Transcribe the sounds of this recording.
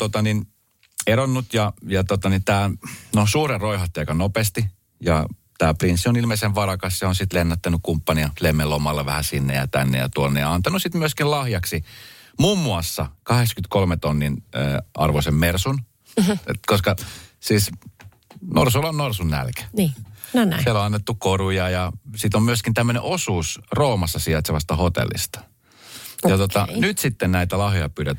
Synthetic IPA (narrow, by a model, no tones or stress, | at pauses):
t̪ot̪ɑnin | eɾonːut̪jɑjɑt̪ot̪ɑnit̪æːnosuːreroihɑt̪ːɑikɑnopest̪i | jɑ̰ | t̪æːprinsːionilmeiseʋʋɑrɑkɑsseonsit̪lenːɑt̪ːænykkumpːɑniɑlemːelːomɑlːeʋæ̰hæsinːḛjɑ̰t̪æ̰nːḛjɑ̰t̪uonːḛɑnt̪ɑnusit̪myøskillɑhjɑksimumːuɑsːɑkɑheksɑ̥kyt̪kolmet̪onːinəːɑ̰rʋoisemmersun | koskɑsiːs | no̰rsulonnorsunːæ̰lkæ̥niːnsieloɑnːet̪ːukorujɑjɑsit̪ommyøskint̪æmːønḛʔosuːsroːmɑsːɑsiɑt̪seʋɑst̪ɑhot̪ḛlːˑḭst̪ɑ̥ | jɑt̪oɑnyt̪sit̪ːennæit̪ælɑhjojɑpyːɾæt̪